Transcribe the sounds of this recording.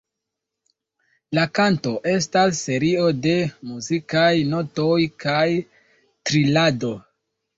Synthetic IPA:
lakanto̞ʔe̞s̬tasːe̞ɾio̞de̞muzikajno̞to̞jkaj | tɾilado̞

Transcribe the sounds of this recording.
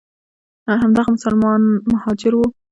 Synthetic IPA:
ɦamd̪ɑɣamʊsalmɑnmahɑd͡ʒɪɾwu

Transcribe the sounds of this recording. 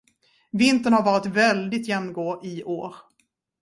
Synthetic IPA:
vɪnt̪əɳhaɾvɑːɾɪt̪vɛld̪ɪt̪jɛmnɡoːʔɪʔoːɾ

